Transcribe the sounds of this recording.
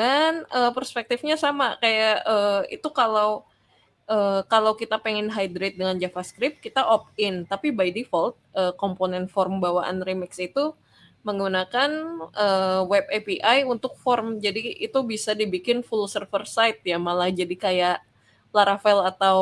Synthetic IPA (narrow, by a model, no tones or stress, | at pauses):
anəpərspɛk̚t̪ɪfɲasamakajaʔəːḭt̪ukalaw | əkalawkit̪apeŋɛnɦajdɾɪt̪̚dəŋand͡ʒafaskɾɪp̚kit̪aʔɔp̚ɪnt̪apibajdifɔlt̪̚əːkɔmponɛnfɔrmbawaʔa̰nrimɪksit̪u | məŋɡunakanʔəwɛb̚epiʔajunt̪ʊk̚fɔrmd͡ʒadiit̪ubisadibikɪnfulosərfərsajt̪̚jamalahd͡ʒadikajaʔ | laɾafɛlat̪aw